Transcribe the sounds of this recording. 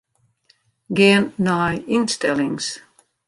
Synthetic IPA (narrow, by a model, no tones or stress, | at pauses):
ɡʲeːnːajinst̪ɛliŋs